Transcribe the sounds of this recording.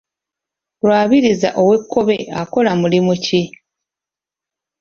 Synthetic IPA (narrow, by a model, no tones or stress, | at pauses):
lwaːβiɾiza̰ʔo̞we̞kʰːo̞βe̞ako̞lamulimuci